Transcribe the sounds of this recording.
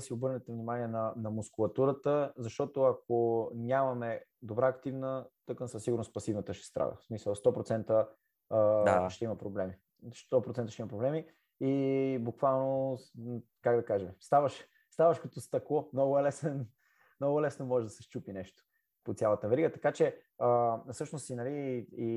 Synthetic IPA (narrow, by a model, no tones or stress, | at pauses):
siobɤɾnɛt̪ɛvnimaniɛnɐnɐmʊskʊlˠɐt̪uɾət̪əzɐʃt̪ɔt̪ʊɐk̚onʲamɐmɛd̪obɾaːkt̪ivnət̪oknsəsːiɡʊɾnospɐsivnət̪əʃɛ̥st̪ɾa̰d̪ə̰smisəlˠst̪ɔpɾot̪sɛnt̪ə | ʃt̪ɛimɐpɾoblɛmi | st̪ɔpɾot̪ɛnt̪əʃt̪imɐpɾoblɛmi | ibukvalˠno | kaɡd̪ɐkaʒɛmɛst̪avɐʃ | st̪avɐʃkɐt̪ɔst̪ɐklˠɔmnɔɡʊɛlɛsɛn | mnɔɡʊlɛsnomɔʒɛd̪ɐsɛʃt͡ʃupinɛʃt̪o̥ | pot̪sʲjalˠɐt̪əvɛɾiɡət̪ɐkat͡ʃɛ | əsɤʃnost̪inɐlii